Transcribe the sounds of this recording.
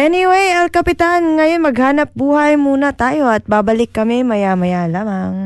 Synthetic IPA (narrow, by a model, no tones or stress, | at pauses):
ʔɛnɪwejɛlkɐpɪt̪anŋɐjo̞nmɐɡhaːnɐp̚buːhɐjmuːnɐt̪aːjo̞ʔɐt̪̚babɐlɪkːɐmɛmɐjamɐjalaːmaŋ